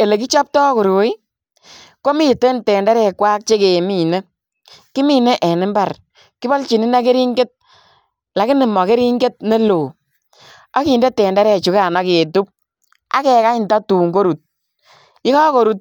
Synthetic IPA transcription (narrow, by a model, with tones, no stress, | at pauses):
e˨le˨k̬i˦t͡ʃɔ˦p̚tɔ˦ko˨ɾo˨˦i˦ | ko˦mi˦te˦ntɛ˨ndɛ˦ɾɛ˦˨kwa˦k̚t͡ʃe˦ke˨mi˨ne˦ | kɪ˦mi˦˨ne˦ʔɛ˨nɪ˦mba˨r | kɪ˦bɔ˦lt͡ʃi˨nɪ˦na˦ke˦ɾi˦ŋɡe˦t̚ | la˨kɪ˦nɪ˨mɔ˨ke˦ɾi˦ŋɡe˦t̚ne˦loː˨ | a˦ki˨nde˦tɛ˨ndɛ˦ɾɛ˨t͡ʃu˨ka˨nɔ˨˦ke˨tu˦p̚ | a̰˦kɛ˨ka˦ɪnta˦tuː˨ŋɡo˦ɾu˨t̚ | ɪ˦kɔ˦ko˨ɾu˨t̚